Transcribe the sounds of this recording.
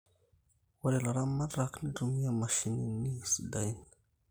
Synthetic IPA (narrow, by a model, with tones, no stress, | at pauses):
wa˨ɾe˨la˨ɾa˦mːa˦dɾa˨kni˦du˨mi˦ja˦ma˨ʃi˨ni˦ni˦˨si˨da˦˨jn